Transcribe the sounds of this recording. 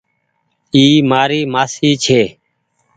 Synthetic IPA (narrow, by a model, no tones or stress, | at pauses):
iːmaːɾiːmaːsiːt͡ʃʰeː